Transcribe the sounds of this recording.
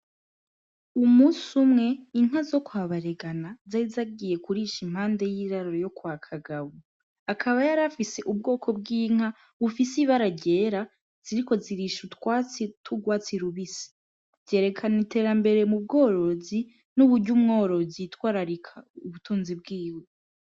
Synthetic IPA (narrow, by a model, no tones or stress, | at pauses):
umuːsumŋe̞iŋ̥hazo̞kwaːβaɾeɡanazaizaɡije̞kuɾiʃim̥haːnde̞jiːɾaɾoɾojo̞kwakʰaɡaβu | akʰaβajaɾafise̞ʔubɡo̞ːkʰo̞b̚ɡiːŋ̥a | βufisiβaɾaɟe̞ːɾa | z̥iɾiko̞ziɾiʃutwatʰuɡwaːt͡siɾuβisi̥ | z̥je̞ːɾe̞kʰanitʰe̞ːɾambe̞ɾe̞mub̚ɡo̞ːɾo̞zi | nuβuɾɟumŋo̞ːɾo̞zitwaːɾaɾikʰauβutuːnzib̚ɡiːwe